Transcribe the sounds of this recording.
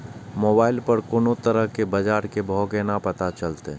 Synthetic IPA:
moːbaːɪlpəɾkoːnot̪əɾəɦkebɐd͡ʒaːɾkebʱɔːkenapɐt̪at͡ʃɐlt̪e

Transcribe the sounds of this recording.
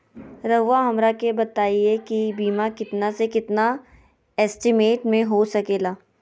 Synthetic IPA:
ɾɐʋːaɦɐmɾakebɐt̪aːiekibiːmakɪt̪nasekɪt̪na | ɛːsʈɪmeːʈmẽɦosɐkeːlaː

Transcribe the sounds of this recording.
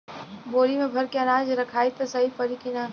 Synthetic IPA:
boːɾimẽbʱɐɾkeɐnaːd͡ʒɾɐkʰaːit̪ɐsɐɦipɐɾikɪnaː

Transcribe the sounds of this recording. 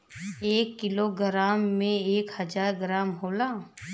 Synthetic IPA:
eːkːɪloɡɾaːmːẽeːkhɐd͡ʒaːɾɡɾaːmɦoːlaː

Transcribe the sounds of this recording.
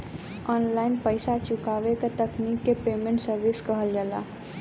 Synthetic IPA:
ɔːnlaːɪnpəɪsat͡ʃʊkaːʋekat̪əknikːepeːmẽɳʈsəɾʋɪskəɦəld͡ʒaːla̰ː

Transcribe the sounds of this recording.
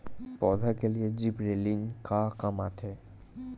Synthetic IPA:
pɔːd̪ʱakelied͡ʒibɾeːliŋkakamat̪ʰeː

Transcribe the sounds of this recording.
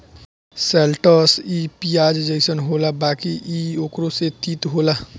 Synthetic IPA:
seːlʈəsipiaːd͡ʒd͡ʒeɪsənɦoːlabaːkiʔioːkɾoset̪iːt̪ɦoːla

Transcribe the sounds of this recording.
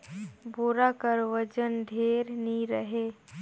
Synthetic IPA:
buɾakəɾʋəd͡ʒənd̪ʱeːɾniɾəɦe

